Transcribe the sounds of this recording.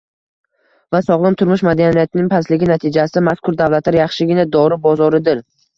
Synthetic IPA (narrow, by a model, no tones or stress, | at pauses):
vasɒʁlˠɪmt̪ʰʊɾmʊʃmad̪anijat̪ʰɪnɪŋpʰaslɪɡʲɪnat̪ʰɪd͡ʒasɪd̪amaskʰʊɾd̪avlˠat̪laɾjɑχʃɪɡʲɪnad̪ɒɾɪbɒzɒɾɪd̪ɪɾ